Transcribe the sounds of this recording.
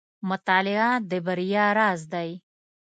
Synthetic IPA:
mʊt̪ɑːlɪad̪əbəɾijaɾaːzd̪aj

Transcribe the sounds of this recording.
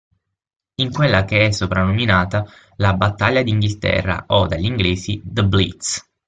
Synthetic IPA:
iŋkwelːakeɛsːopɾanːominaːt̪a | labat̪ːaʎːad̪iŋɡilt̪ɛ̰rːa̰ʔɔd̪aʎːiŋɡleːsid̪əblḭt̪s

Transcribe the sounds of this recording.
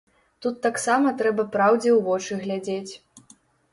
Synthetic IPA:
t̪ut̪ːaksamɐt̪ɾɛbɐpɾawd͡zʲɛwvɔt͡ʂɨɣlʲad͡zʲet͡sʲ

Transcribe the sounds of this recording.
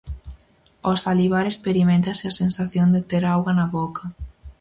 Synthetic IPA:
osaliβaɾespeɾimẽnt̪asɪasensaθjond̪et̪eɾawɣanaβokʰɐ

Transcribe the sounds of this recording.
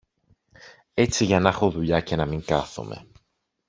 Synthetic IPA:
e̞t͡siʝɐnɐxoðuʎɐce̞nɐmiŋkɐθo̰me̞̰

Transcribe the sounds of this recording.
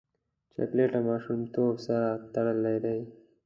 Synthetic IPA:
t͡ʃa̰kleʈamɑːʃumt̪oːbsat̪aɽalːad̪aj

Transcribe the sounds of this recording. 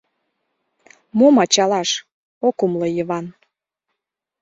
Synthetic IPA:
momɑt͡ɕɑlɑʃ | okumlɤjəβɑn

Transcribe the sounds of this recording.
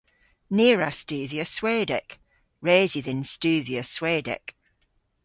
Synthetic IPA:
niəɹastʉːðiəsweːdɛ̰k | ɹeːziðɪ̃nstʉːðiəsweːdɛ̰k

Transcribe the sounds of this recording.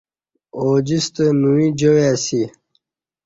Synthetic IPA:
oːd͡ʑist̪ənuwid͡ʑowasi

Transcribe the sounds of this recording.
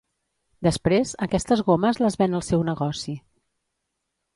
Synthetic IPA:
d̪əspɾezəkɛst̪əzɣoməzləzβɛnəlˠsɛwnəɣɔsi

